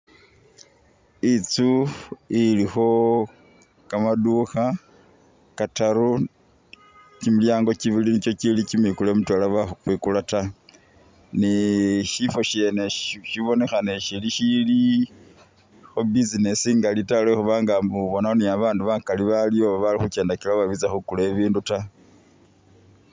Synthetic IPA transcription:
it͡suilixo̞ | kamaduxa | kataɾu | cimiljaːŋɡo̞ciβilinit͡ʃo̞cilicimwikulemutwalaβaxkwikulata | niʃifo̞ʃe̞neʃiβo̞ne̞xaneʃiliʃili | xobizine̞siŋɡalitalwexuβaːŋɡamuβonaoniaβaːnduβakaliβalioβaβalixut͡ʃe̞ːndakilaβaβit͡saxukule̞βiːnduta

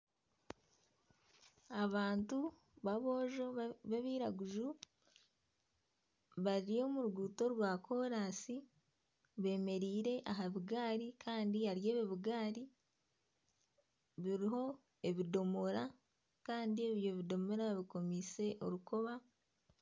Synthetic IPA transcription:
aβaːntu | βaβo̞ːʒo̞βeβiːɾaɡuʒu | βaɾio̞muɾuɡuːto̞ɾwaːkʰo̞ːɾaːsi | βe̞ːme̞ɾiːɾe̞ʔaɦaβiɡaːɾikʰaːndiaɾjeːβeβiɡaːɾi | βiɾiɦo̞ | e̞βido̞mo̞ɾa | kaːndie̞βjo̞βido̞mo̞ɾaβiko̞mise̞ʔo̞ɾuko̞βa

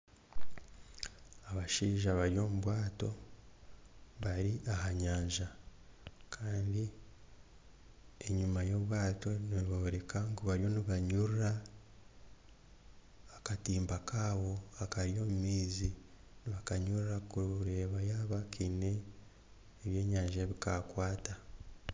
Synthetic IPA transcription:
aβaʃiːʒaβaɾjo̞ːmuβwaːto̞ | βaɾiʔahaɲaːɲʒa | kʰaːndi | eɲumajo̞βwaːto̞niβoɾe̞kaŋɡuβaɾjo̞niβaɲuɾuɾa | katiːmbakaːβo̞akaɾjo̞ːmumiːzi | niβakaɲuɾɾakuɾe̞ːβajaːβakʰine̞ː | βje̞ːɲaːɲʒeβikakwaːta

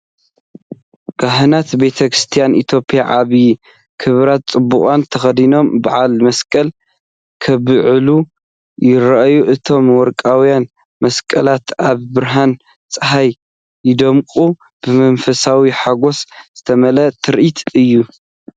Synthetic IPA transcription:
kaɦɨnat̪be̞t̪ʰɐkʰɾɨst̪ʰijanʔit̪ʰjo̞pʼjaʕaβi | kʰɨβɾat̪̚t͡sʼɨbːukʼant̪ʰɐxɐd̪ino̞mbɨʕalmɐskʼɐl | kʰɐβɨʕɨlu | jɪɾɐʔjuʔɨt̪ʰo̞mwɔɾkʼawijan | mɐskʼɐlat̪aβbɨɾɦan | t͡st͡sʼɨɦaj | jɪd̪ɐmkʼu | b̥ɨmɐnfɐsawiħaɡo̞sz̥ɨt̪ʰɐmɐlɐt̪ʰɨɾʔit̪ʰɨjːu

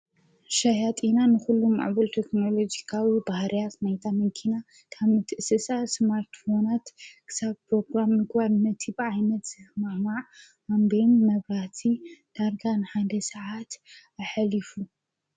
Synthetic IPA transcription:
ʃajat̪ʼinanɨxulːuma̰ʕbɐlt̪ʰekno̞lo̞d͡ʒikʰawibahɾʔijat̪najt̪ʰamɨkʰina | kʰaβmɨt̪ʰɨʔɨsɨsasmaɾt̪fo̞nat̪kʰɨ̥saβpʰɾo̞ɡɾamːɨɡbalnɐt̪ʰibɨʕajnɐt̪z̥ɨhmamaʕ | ambenːɐβɾaht̪ʰid̪̥aɾɡanħad̪ɐsɐʕat̪ | aħalifu

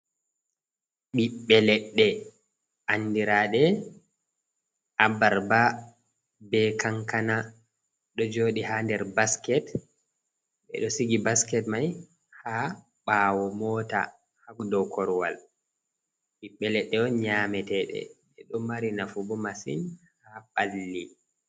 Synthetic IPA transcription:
ɓiɓːɛlɛɗːɛ | anːdiɾaɗɛ | ʔabaɾba | bɛkaŋkana | ɗɔd͡ʒoːɗihandɛɾbaskɛt | ɓɛ̰ɗɔsiɡibaskɛtmaj | ha | ɓaːwɔmɔta̰ | hakdɔkɔɾwa̰l | ɓiɓːɛlɛɗːɛɔɲamɛtɛɗɛ̰ɓɛɗɔmaɾinafubɔmasḭn | haɓalːi

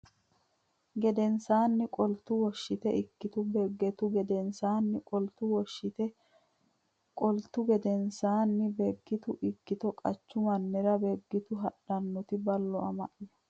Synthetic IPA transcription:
ɡɛd̪ɛnsaːnːɪkʼɔlt̪ːʊwɔʃːɪt̪ɛʔɪkːɪt̪ʊbɛɡːɛt̪ʊɡɛd̪ɛnsaːnːɪkʼɔlt̪ʊwɔʃːɪt̪ɛ | kʼɔlt̪ːʊɡɛd̪ɛnsaːnːɪbɛɡːɪt̪ʊʔɪkːɪt̪ɔkʼɐt͡ʃːʊmɐnːɛɾɐbɛɡːɪt̪ʊɦɐɗɐnːɔt̪ɪbɐlːɔɐmɐ̰ʔɪ

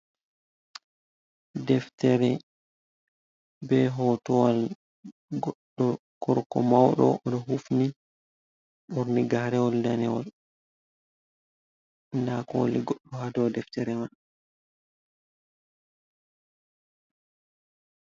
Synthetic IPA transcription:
dɛftɛɾɛ | bɛɦɔtɔwal | ɡɔɗːɔ | kɔɾkɔmawɗɔ̰ʔɔɗɔɦufni | ɓɔɾniɡahɾɛwɔldanɛwɔl | ndakɔliɡɔɗːɔhadɔwdɛftɛɾɛma

